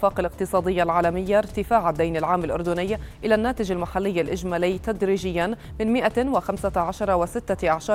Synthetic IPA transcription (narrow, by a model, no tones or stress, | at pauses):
faːqalɪq̚t̪ɨsˤɑːd̪ɪjːalʕaːlamɪjːaɾt̪ɪfaːʕad̪ːajnalʕaːmalʔʊɾd̪ʊnɪjːʔɪlanːaːt̪ɪd͡ʒalmaħalːɪjːalʔɪʒmaːlɪːt̪ad̪ɾiːd͡ʒɪjːan | mɪnmɪʔawɪxamsaʕaʃɑɾˤɑwɪsɪt̪ːaʔaʕʃɑː